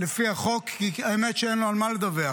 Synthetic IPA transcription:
lefiaχokːiaemetʃeenloalmaled̪avea

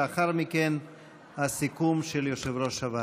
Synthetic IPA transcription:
aχaɾmiken | hasikumʃeljoʃevɾo̞ʃava

